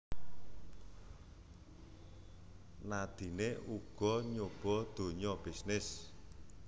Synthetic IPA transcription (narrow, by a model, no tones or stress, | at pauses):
nad̪̥i̤neuɡ̥ɔ̤ɲob̥ɔ̤d̪̥o̤ɲɔb̥isnɪs